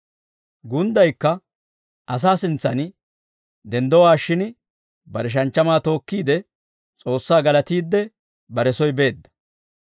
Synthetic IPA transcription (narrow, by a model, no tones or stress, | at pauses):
ɡʊnd̪ɐjkːɐ | ʔɐs̬aːsɪnt͡sːɐn | d̪ɛnd̪ɔwaːʃɪn | bɐɾɛʃ̬ɐnt͡ʃːɐmaːt̪o̞ːkːiːd̪ɛ | t͡sʼo̞ːsːaːɡɐlɐt̪iːd̪ːɛ | bɐɾɛsɔjbe̞ːd̪ːɐ̥